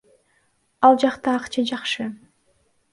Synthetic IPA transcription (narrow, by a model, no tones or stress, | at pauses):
ɑlˠd͡ʒɑqt̪ɑːqt͡ʃʰɑd͡ʒɑχʃɯ